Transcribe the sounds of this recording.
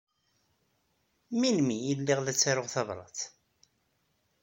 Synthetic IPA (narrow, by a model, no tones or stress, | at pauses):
minmijəlːiʁlæt͡sːaɾʊʁθɑvɾˤɑ̰θ